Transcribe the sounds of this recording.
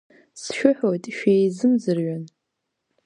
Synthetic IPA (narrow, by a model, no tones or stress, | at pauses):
sʃʷᶣʊħʷotʼʃʷejzɨmzɨrɥʷɔn